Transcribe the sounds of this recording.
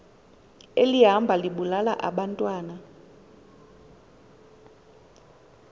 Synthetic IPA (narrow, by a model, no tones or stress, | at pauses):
eliɦambʱaliɓulala̰ʔa̰ɓantʼwaːna